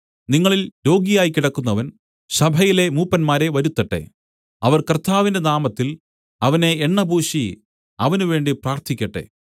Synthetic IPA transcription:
niŋːɐɭilɾo̞ːɡijaːjkiɽɐkːunːɐʋɐn | ɕɐbʱɐjile̞muːpːɐnmaːɾe̞ʋɐɾut̪ːɐʈːe̞̰ | ɐʋɐrkɐrt̪ʰːaːʋinde̞naːmɐt̪ːil | ɐʋɐne̞ːɳːɐbʱuːʂi | ɐʋɐnuʋe̞ːɳɖipraːrt̪ʰikʲːɐʈːe̞̰

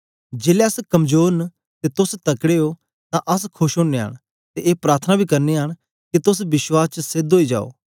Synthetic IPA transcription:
d͡ʒeːleəskɐmd͡ʒoːɾn | t̪et̪ʊst̪ɐkɽeːoː | t̪ãʔɐskʰʊʃɦʊ̃ɳːeːɦə̰ɽ̃ | t̪eʔeːpɾaːɾt̪ʰnabʱiːkɐɾneːɦəɽ̃ | kit̪ʊsbɪʃwaːst͡ʃsɪd̪ɦoːiːd͡ʒa̰ːo̰ː

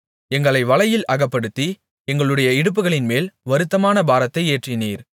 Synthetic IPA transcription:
ɛŋɡɐɭɐɪʋɐɭɐjɪlʔɐɣɐpːɐɽɯt̪ːi | ɛŋɡɐɭɯɽɐjɐɪɽɯp̬ːɯɣɐɭɪnmeːlʋɐɾɯt̪ːɐmaːnɐbaːɾɐt̪ːɐɪeːʈrɪniːɾ

